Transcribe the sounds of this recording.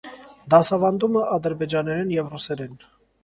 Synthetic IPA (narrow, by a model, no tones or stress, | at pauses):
d̪ɑsɑvɑnd̪uməʔɑd̪əɾbɛd͡ʒɑnɛɾɛnjɛvrusɛɾɛn